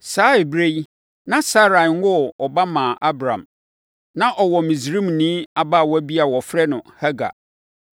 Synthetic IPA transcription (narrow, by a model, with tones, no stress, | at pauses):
saː˨˦e˨bɾe˦j | nã˦sa˦ɾa˨ŋ˦wɔ˦ɔ˨ba˦mãː˨ʔa˦bɾã̰˨m | nã˦ʔɔ˨wɔ˨mĩ˨zɾĩ˦m˨nĩ˦a˨ba˦˨wɔ˦æ˦bi˦a˨wɔ˨fɾɛ˦nʊ̃˨ha˦ɡa̰˨